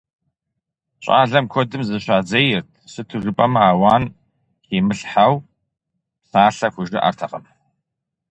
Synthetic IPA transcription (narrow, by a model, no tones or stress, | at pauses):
ɕʼa̰ːɮɐmkʷʰɔdɨmzɨɕaːd͡zɐjɪrtʰsɨtʰɨʒɨpʼɐmaːwaːn | keːmɨɬħaw | psaːɬɐxʷʊʒɪʔa̰rtʰɐqɐm